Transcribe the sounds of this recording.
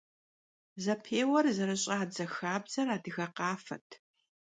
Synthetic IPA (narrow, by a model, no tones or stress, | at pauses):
zɐpʰeːwɐrzɐɾɨɕʼɐaːzɐxaːbzɐraːdɨɣɐqɑːfɐ̰tʰ